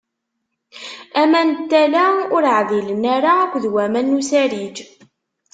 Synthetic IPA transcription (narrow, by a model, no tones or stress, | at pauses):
æmænt̪ːælaʊɾəʕðilənæɾaːkʷːðwæmænːusæɾid͡ʒ